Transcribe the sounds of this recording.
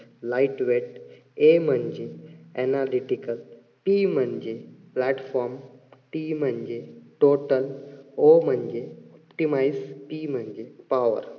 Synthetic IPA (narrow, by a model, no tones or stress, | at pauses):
laɪʈʋeʈ | eːmə̃ɲd͡ʒeɛnaːliʈikəl | piːmə̃ɲd͡ʒeplɛːʈfɔːɾmʈiːmə̃ɲd͡ʒeʈoːʈəloːmə̃ɲd͡ʒeɔpʈimaɪzpiːmə̃ɲd͡ʒepaːʋə̰ɾ